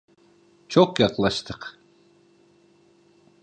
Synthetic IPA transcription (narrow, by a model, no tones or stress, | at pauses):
t͡ʃʰoqjɑqlˠɑʃt̪ʰəq